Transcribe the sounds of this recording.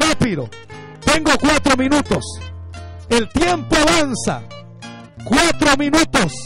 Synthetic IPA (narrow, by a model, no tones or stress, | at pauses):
rapiðo | t̪eŋɡokwat̪ɾomĩnut̪os | elt̪jempoaβansa̰ | kwat̪ɾomĩnut̪os